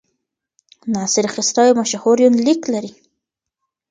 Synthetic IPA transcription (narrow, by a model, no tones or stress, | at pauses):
nɑːsɪɾxɪst̪ɑjmaʃahoɾjunliklaɾi